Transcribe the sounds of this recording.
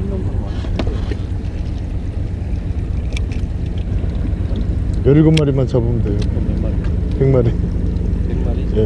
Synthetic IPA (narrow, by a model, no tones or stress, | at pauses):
mjʌɭɡɯmːaɾimant͡ɕʌbumde | tʰeŋmaɾi | je